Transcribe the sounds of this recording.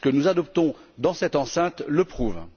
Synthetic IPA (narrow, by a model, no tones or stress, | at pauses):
kənuzad̪ɔpt̪ɔ̃d̪ɑ̃sɛt̪ɑ̃sɛ̃t̪ləpχuːv